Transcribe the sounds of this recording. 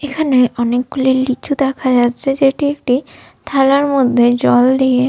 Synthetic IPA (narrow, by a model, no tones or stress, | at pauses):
ekʰaneʔɔnek̚ɡulilːit͡ʃʰud̪ɛkʰad͡ʑatːɕʰed͡ʑeʈiekʈi | t̪ʰalaɾmod̪ʱːed͡ʑɔld̪ie